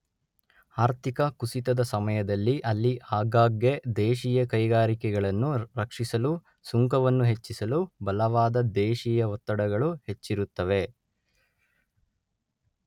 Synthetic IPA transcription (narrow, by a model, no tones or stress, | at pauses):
aːɾt̪ʰikɐkusit̪ɐd̪ɐsɐmɐjɐd̪ɐlːiʔɐlːiʔaːɡaːɡːed̪eːʃijɐkɐjɡaːɾikɛɡɐɭɐnːuɾɐkʂisɐlu | suŋkɐʋɐnːuɦe̞t͡ʃːisɐlubɐlɐʋaːd̪ɐd̪eːʃijɐʋɔt̪ːɐɽɐɡɐɭuhe̞t͡ʃːiɾut̪ːɐʋe̞